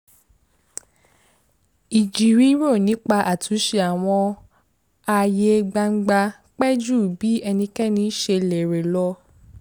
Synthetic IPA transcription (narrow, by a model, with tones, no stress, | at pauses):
i˨d͡ʒi˨ɾi˨˦ɾo˦˨nĩ˨˦k͡pa˧ʔa˨tʰu˨˦ʃe˧a˨w̃ɔ̃˧ | a˧je˧ɡ͡ba˧ŋ͡m̩˦ɡ͡ba˧ | k͡pɛ˦d͡ʒu˦˨bi˨˦ɛ˧nĩ˧kɛ˦nĩ˧˦ʃe˧lɛ˨ɾe˨lɔ˧˦